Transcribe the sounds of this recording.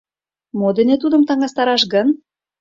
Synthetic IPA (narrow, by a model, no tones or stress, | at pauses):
mod̪enĕt̪ud̪əmt̪ɑŋɑst̪ɑɾɑʃɡən